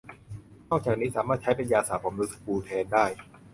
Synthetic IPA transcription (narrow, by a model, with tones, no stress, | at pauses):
nɔː˥˩k̚t͡ɕaː˨˩k̚niː˦˥saː˩˦maː˥˩t̪̚t͡ɕʰa˦˥jpa˧njaː˧saː˨˩p̚ʰa˨˩˦mlu˦˥skpuː˧t̪ʰɛː˧ndaː˥˩j